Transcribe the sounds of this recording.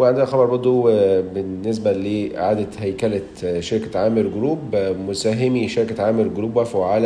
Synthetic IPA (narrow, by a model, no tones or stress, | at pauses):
weʕend̪enæxɑbɑɾˤbɑɾˤd̪ˤobennːes̬bæleːʔɪ̰ʕaːd̪æhæjkælæ | ʃeɾkæʕaːmeɾɡoɾuːbmosæɦemiʃeɾkæʕaːmeɾɡoɾuːbwæfwʕaːlæ